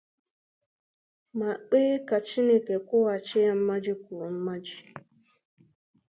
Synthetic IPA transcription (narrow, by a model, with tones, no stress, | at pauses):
ma˨k͡peː˦ka˨t͡ʃi˦ne˦ke˨kʷʊ˦wa˨t͡ʃɪ˦ja˦m̩˦ma˦d͡ʒi˦ku˨m̩˦ma˦d͡ʒi˦